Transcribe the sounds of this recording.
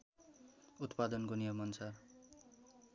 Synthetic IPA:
ut̪pad̪ʌnkonijʌmʌnt͡sʰar

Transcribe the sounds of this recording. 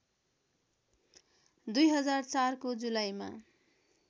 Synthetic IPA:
d̪ujɦʌd͡zart͡sarkod͡zulajma̰

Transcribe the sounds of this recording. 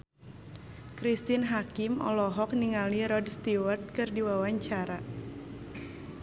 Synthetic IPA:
kɾist̪inɦakimɔ̰lɔɦɔk̚niŋaliɾɔdst̪iwərt̪̚kɨrdiwawaɲt͡ʃaɾa

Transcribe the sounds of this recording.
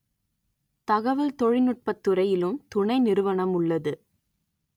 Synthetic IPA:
t̪ɐɣɐʋɐlt̪ɔɻɪnɯʈ̚pɐt̪ːɯɾɐjɪlɯmt̪ʊɳɐɪnɪɾɯʋɐɳɐmʊɭːɐðɯ

